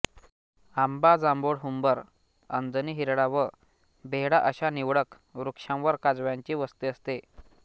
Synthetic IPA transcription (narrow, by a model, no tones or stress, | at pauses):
ambad͡zamboɽɦumbəɾ | ə̰nd͡z̪əniːɦiɾɽaʋə | bʱeɦɽaʔəɕaniʋɽək | ʋɾukʂãwʋəɾkad͡zʋjãɲt͡ɕiːʋəst̪iəst̪e